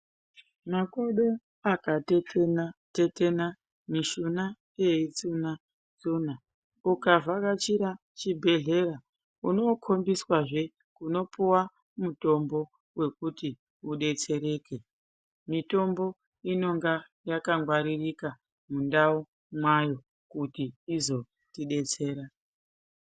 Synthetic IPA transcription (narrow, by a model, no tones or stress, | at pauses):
mako̞ɗo̞ | akatette̞te̞na | miʃuna | jeit͡suna | t͡suna | ukavʱakat͡ʃiɾa | t͡ʃibʱe̞ɮe̞ra | uno̞kʰo̞mbiswaʐe̞ | kuno̞puwa | muto̞mbo̞ | we̞kuti | uɗe̞t͡se̞ɾe̞ke̞ | mito̞mbo̞ | ino̞ŋɡa | jakaŋɡwaɾirika | mundau | mwajo̞ | kutiːzo̞ | tiɗe̞t͡se̞ːɾa